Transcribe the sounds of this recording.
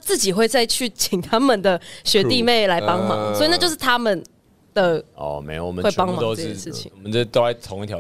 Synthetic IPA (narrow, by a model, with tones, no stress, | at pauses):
t͡sɹ̩˥˩t͡ɕi˨˩xwe˥˧ɪt͡sa˥˧ɪt͡ɕʰy˥˩t͡ɕʰi˨˩ŋt̪ʰa˥mə˨nd̪ə˩ɕɥɛ˧˥t̪i˥˧ne˥˩ɪla˧˦ɪpɑ˥ŋmɑ̰˨˩˦ŋswɔ˧˥˨na˧˩t͡ɕo˥˧ʊʂ̩˥˩t̪ʰa˥mə˨n | d̪̥ə˨˩ɔ̰˨˩mḛ˧˥ɪjo˨˩wɔ˨mə˦˥wpɑ˥ŋm˨ŋ˥˧˩jɛ˥˧˥ʂɻ̩˥˩t͡ɕʰḭ˨˦wmə˦n˥˩t̪o˥a˥˩ɪt̪ʰʊ˧˦ŋi˥t̪ʰjɑ˧˦˥